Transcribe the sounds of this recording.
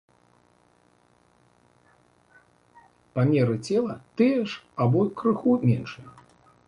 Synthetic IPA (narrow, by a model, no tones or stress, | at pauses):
pamʲɛɾɨt͡sʲɛlˠɐt̪ɨjɛʂabɔjkɾɨxumʲɛnʂɨjɛ